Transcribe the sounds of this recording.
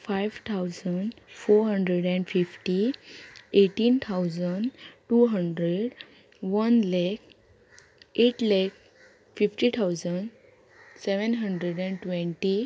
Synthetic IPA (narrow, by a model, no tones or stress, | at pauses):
fajʋt̪ʰawd͡zəɳɖfoɾɦəɳɖɾeɽɛ̃ɳɖfifʈi | eʈiːnt̪ʰawd͡zəɳɖʈuɦəɳɖɾeɖ | ʋənlɛk | eʈlɛk̚ | fifʈit̪ʰawd͡zəɳɖ | seʋənɦəɳɖɾeɖɛ̃ɳɖʈʋẽɳʈi